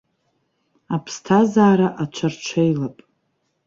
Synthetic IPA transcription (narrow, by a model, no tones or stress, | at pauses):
apʰstʰazaːɾaʔat͡ʃʷʰart͡ʃʷʰejlapʼ